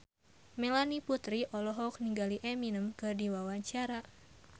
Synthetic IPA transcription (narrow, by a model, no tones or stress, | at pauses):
melaniput̪ɾiʔɔlɔɦɔk̚niŋɡaliʔɛminəmkɨrdiwawaɲt͡ʃaɾa